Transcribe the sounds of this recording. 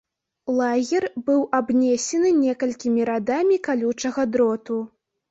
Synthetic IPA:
lˠaɣʲɛrbɨwabnʲɛsʲɛnɨnʲɛkɐlʲkʲimʲiɾad̪amʲikalʲut͡ʂɐɣɐd̪ɾɔt̪u

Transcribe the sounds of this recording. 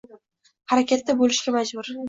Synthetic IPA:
haɾakʲat̪ːabolɪʃɡʲamad͡ʒbʊɾ

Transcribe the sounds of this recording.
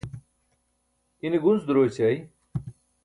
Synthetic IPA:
iniɡunzd̪uɾoːt͡ɕɐj

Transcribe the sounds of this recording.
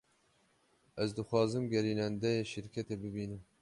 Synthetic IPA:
ʔɛzd̪ɨxwɑːzɨmɡʲɛɾiːnɛnd̪ɛjeʃɨɾkʲʰɛt̪eːbɨbiːnɨm

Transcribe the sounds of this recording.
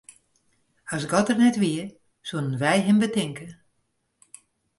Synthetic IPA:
asɡɔtərnɛtʋiər | sulənʋɛjɦɪmbətɪŋkə

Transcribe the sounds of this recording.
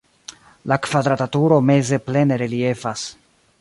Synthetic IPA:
lakvad̪ɾatatuɾo̞me̞ze̞ple̞ne̞ɾelie̞fas

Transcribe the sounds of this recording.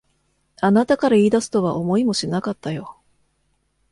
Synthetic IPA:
anat̪akaɾaiːd̪asɨ̥t̪o̞βaʔo̞mo̞imo̞ɕinakat̪ːajo̞

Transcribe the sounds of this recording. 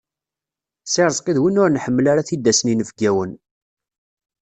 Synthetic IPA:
sɪɾˤəzˤqiðwinʊɾnħəmːəlaɾaθid̪ːæsninəvɡæwən

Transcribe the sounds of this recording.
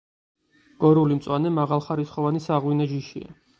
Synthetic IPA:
ɡ̥ɔɾulimt̪sʼwanɛmaʁalˠχaɾisχɔvanisaʁwinaʒiʃḭa̰

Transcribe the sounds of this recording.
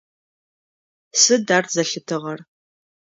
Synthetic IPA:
sɨdaːrzɐɬɨtʰɨʁɐr

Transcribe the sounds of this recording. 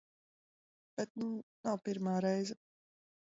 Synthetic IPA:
b̥ɛt̪̚nunawpiɾmaːɾɛjzɛ

